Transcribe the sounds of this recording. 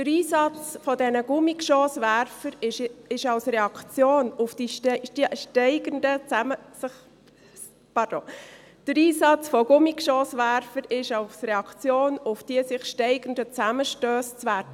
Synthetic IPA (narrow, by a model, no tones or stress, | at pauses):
d̥əɾiːsɑt͡sfɔdɛnəɡ̥ʊmɪkʃoːsʋæɾfəɾɪʃɑwsɾeɑkt͡sjoːnʊfd̥iʃʃtɛɪɡəndət͡sæməsɪχ | pɑɾd̥oŋ | d̥əɾiːsɑt͡sfɔɡ̥ʊmikʃoːsʋæɾfəɾɪʃɑʊsrɛɑkʰt͡sjoːnʊfd̥iəsɪχʃtɛɪɡ̥ən̩dət͡sæməʃtøːst͡sʋæɾtə